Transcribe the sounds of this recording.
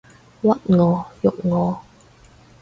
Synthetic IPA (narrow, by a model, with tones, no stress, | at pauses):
wɐ˦˥t̚ŋɔː˨˧˦jʊ˨k̚ŋɔː˨˦